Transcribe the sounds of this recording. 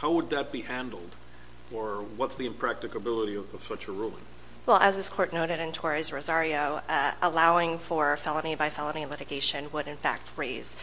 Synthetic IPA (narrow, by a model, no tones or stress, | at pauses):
haʊwəd̪̚ðɨt̚b̥ihæ̃ndˡl̩ˠd | ə˞wʌtsðiɨ̃mpʰɹ̥æk̚tɨkɨbɪlˠəɾiʌʌv̥sʌt͡ʃəɹulˠɪ̰̃ŋ | wɛlˠʔɨzðɪskʰɔɹtⁿnoʊɾɨɾɨ̃ntʰɔɹizɹozɑɹioʊʔəlaʊɪ̃ŋfə˞fɛlˠənibaɪfɛlˠənilɪɾɨɡeɪʃɨ̃nwəɾɨ̃nfæ̰k̚t̚ɹeɪz̥